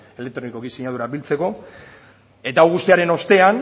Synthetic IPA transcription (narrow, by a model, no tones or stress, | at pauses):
e̞le̞k̚t̪ɾo̞niko̞kisiɲað̞uɾabilt͡se̞ko̞ | e̞t̪aːwɣust̪iaɾe̞no̞st̪e̞an